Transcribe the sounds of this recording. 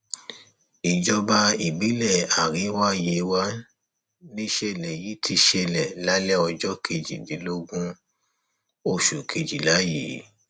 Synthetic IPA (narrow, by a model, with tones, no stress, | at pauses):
i˨d͡ʒɔ˦ba˧˦i˨bi˨˦lɛ˦˨a˨ɾi˨˦wa˦je˨˧wa˦ | nĩ˦ʃɛ˧˨lɛ˨ji˨˦tʰi˧ʃɛ˧˨lɛ˨la˦lɛ˦ɔ˧d͡ʒɔ˦kʰe˧d͡ʒḭ˨di˨˦lo˦ɡũ˦ | o˦˨ʃu˨kʰe˧d͡ʒi˨la˨˦jḭ˨˦